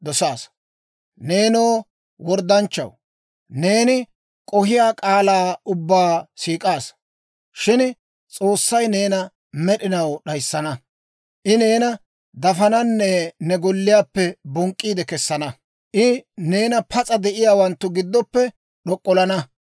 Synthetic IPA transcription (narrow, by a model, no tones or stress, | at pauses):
d̪ɔsaːs | ne̞ːnoː | wɔɾd̪ɐnt͡ʃːɐ̰w | ne̞ːnɪ | kʼɔhɪjaːkʼaːlaːʊbːaːsiːkʼaːs | ʃɪn | t͡sʼo̞ːsːɐjne̞ːnɐ | mɛɗɪnɐwɗɐjsːɐnɐ | ʔɪne̞ːnɐ | d̪ɐfɐnɐnːɛnɛɡɔlːɪjaːpːɛbɔŋkʼːiːd̪ɛkɛsːɐnɐ | ʔɪne̞ːnɐpʰɐt͡sʼɐd̪ɛʔɪjaːwɐnt̪ːʊɡɪd̪ːɔpːɛ | ɗɔkʼːɔlɐnɐ